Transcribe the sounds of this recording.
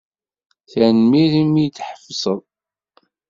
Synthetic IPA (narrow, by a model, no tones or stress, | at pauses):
θænmiɾimːit͡sːħə̥fsˤəðˤ